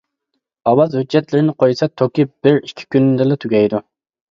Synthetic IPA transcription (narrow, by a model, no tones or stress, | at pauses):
ɑwɑzhyd͡ʒːɛt̪lɪɾɪnɪqʰojsɑt̪ʰokʲib̥ɪɾikʲʰːi̥kʲʰynd̪ɪlɛt̪ʰyɡʲɛjd̪u